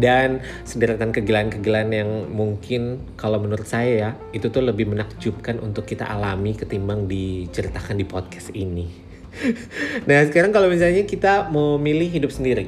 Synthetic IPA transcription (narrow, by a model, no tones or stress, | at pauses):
dan | sədəɾat̪ankəɡəlankəɡəlanjaŋmuŋkɪnkalawmənuɾʊt̪̚sajaja | it̪ut̪ʊhləbɪhmənak̚d͡ʒup̚kanʔṵnt̪ʊkːit̪a̰ʔalamikət̪imaŋdit͡ʃəɾit̪akandipɔt̪̚kɛ̥sini | nahsəkaɾaŋkalawmis̬alɲakit̪aməmilɪhɦidʊp̚səndiɾi